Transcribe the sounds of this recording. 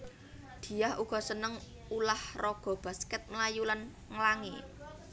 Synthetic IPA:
d̪̥i̤jahuɡ̥ɔ̤sənəŋ | ulahroɡ̥ɔ̤b̥a̤skɛt̪̚mlajulan | ŋəlaŋḭ

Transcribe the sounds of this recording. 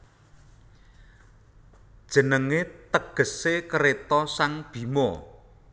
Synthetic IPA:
d̥ʒ̥ə̤nəŋet̪əɡ̥ə̤sekəɾet̪ɔsaŋb̥i̤mɔ

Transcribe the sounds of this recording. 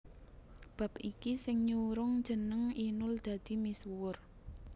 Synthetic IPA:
b̥a̤pikisɪŋɲuɾʊŋd̥ʒ̥ə̤nəŋinʊld̪̥ä̤d̪̥i̤miswʊr

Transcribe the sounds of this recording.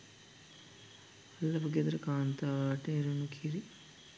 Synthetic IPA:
ɐlːɐbɐɡed̪ɾɐkaːnt̪aʋaːʈeːɾunukʰiɾi

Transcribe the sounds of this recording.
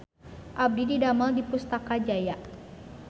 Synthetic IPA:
ʔab̚dididamaldipust̪akad͡ʒajaʔ

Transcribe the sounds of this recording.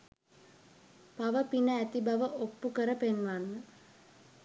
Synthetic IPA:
paʋəpinəæt̪ibaʋəʔopːukəɾəpenʋanːə

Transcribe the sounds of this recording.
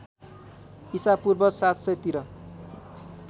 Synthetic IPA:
isapurbʌsat̪sʌjt̪iɾʌ

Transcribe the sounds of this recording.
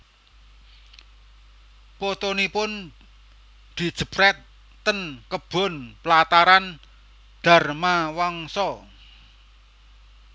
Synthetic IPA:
pot̪onipʊn | d̪̥i̤d̥ʒ̥ə̤pɾɛt̪ː | ənkəb̥ɔ̤nplat̪aɾan | d̪̥a̤rmawaŋsɔ

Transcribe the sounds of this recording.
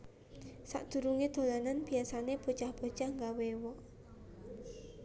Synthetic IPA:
sa̰ʔd̪̥ṳɾuŋed̪̥o̤lananb̥i̤asaneb̥ot͡ʃahb̥o̥t͡ʃahŋɡawewɔʔ

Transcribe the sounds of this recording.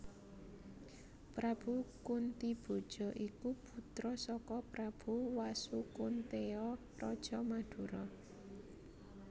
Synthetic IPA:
pɾab̥ukunt̪ib̥o̤d̥ʒ̥ɔ̤ʔikub̥ṳt̪ɾɔsɔkɔpɾab̥uwasukunt̪eɔt̪ɔd̥ʒ̥ɔmad̪̥ṳɾɔ

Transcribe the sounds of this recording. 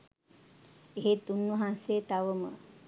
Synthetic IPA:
eɦet̪unːuɦanset̪aʋəmə̰

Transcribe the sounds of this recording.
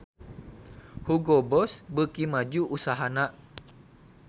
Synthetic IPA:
huɡɔbɔsbəkimad͡ʒuʔːsaɦanaʔ

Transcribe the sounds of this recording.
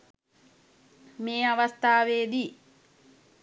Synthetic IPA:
meːɐʋɐst̪ʰaːʋeːd̪i

